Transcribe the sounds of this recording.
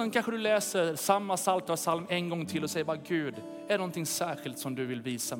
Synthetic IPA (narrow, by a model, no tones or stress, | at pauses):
ɛnkʰanɧəd̪ɵlɛːsəɾsamːasalt̪ɾavsalmɛnɡɔŋːt̪ʰɪlːɔsɛjːəɾbɑːɡʉːd̪ | ɛɾɛnɔnt̪ʰɪŋsæːɧɪlt̪sɔmd̪ɵvɪlviːsa